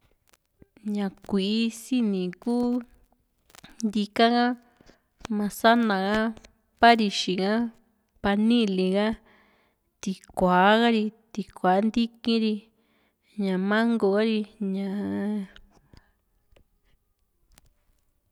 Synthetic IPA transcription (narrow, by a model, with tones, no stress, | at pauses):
ɲã˨kʷi˨˦si˦nĩ˨kuː˦ | nd̪i˧ka˦ɣã˦ | mã˧sa˦nã˨ɣa˦ | pa˦ɾi˧ʃĩ˨ɣã˦ | pa˧nĩ˦˨lĩ˨ɣa˦ | t̪i˨kʷa˨˦ɣa˦ɾi˧t̪i˨kʷa˨˦nd̪i˦kĩ˦ɾi˧ | ɲã˨mã˦ŋɡo˧˨ɣa˦ɾi˧ɲã˨